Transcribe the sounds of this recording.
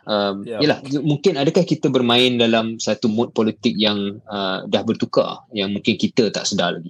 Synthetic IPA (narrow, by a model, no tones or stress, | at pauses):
ʔəmjəlahd͡ʒmuŋkɪnadəkahkit̪əbərmãɪndalamsat̪umʊt̪̚pɔlit̪ɪk̚jaŋədahbərt̪uka̰jaŋmũŋkɪnkit̪ət̪a̰ʔsədala̰ɡi